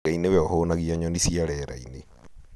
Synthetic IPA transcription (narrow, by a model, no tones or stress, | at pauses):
ainewɛɔhoːnaɣiaɲɔnisiaɾɛɾa̰ine